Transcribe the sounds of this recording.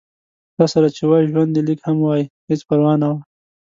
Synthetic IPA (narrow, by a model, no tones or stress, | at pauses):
t̪ɑsaɾat͡ʃewɑjiʒwand̪ilikhamwɑjihɪt͡spaɾwɑnːawa